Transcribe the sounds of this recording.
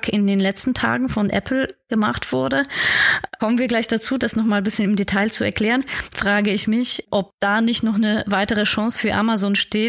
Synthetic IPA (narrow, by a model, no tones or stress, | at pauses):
kʰɪndeːnlɛt͡stn̩tʰa̰ːɡŋ̩fɔnʔɛ̰pl̩ɡ̥əma̰χtv̥ʊɐdə | kʰɔmənviːɐɡlaɪçd̥at͡suːdasnɔχmaːlbɪsçənɪmdetʰaɪlt͡suɛɐkl̥ɛːʁənfʁ̥aːɡəɪçmɪçʔɔp̚d̥aːnɪçtnɔχnəvaɪtəʁ̞əʃɑ̃ːsfyːɐʔamazoːnʃteːt